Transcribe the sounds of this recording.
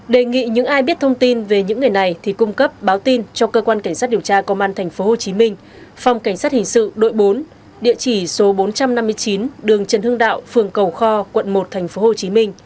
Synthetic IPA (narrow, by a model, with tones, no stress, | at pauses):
ɗe˨˩ŋḭ˧˨ɲɨ̰˧˥ŋʔaː˧jɓi˦˥ət̚t̪ʰə˧wŋ͡mt̪i˧nve˨˩ɲɨ̰˧˥ŋːɨ˨˩əjna˨˩jt̪ʰi˨˩kʊ˧ŋ͡mkə˦˥p̚ɓaː˨˦wt̪i˧nt͡ɕɔ˧kəː˧kwaː˧nka˧˩ŋ̟sa˦˥i˨˩əwt͡ɕaː˧kə˧wŋ͡mʔaː˧nt̪ʰɛ˨˩ŋ̟fo˨˦ho˨˩t͡ɕi˨˦mï˧ŋ̟ | fa˨˩wŋ͡mka˧˩ŋ̟saː˦˥t̚hï˨˩ŋ̟sɨ̰˧˨ɗo̰˧˨jɓo˨˦n | ɗḭ˧˨ət͡ɕi˧˩so˨˦ɓo˨˦nt͡ɕa˧mna˧mːɨ˧əjt͡ɕi˨˦nɗɨ˨˩əŋt͡ɕə˨˩nhɨ˧əŋɗa̰ː˧˨wfɨ˨˩əŋkə˨˩wxɔ˧kwə̰˧˨nmo˨˩t̚t̪ʰɛ˨˩jŋ̟fo˨˦ho˨˩t͡ɕi˨˦mi˧ŋ̟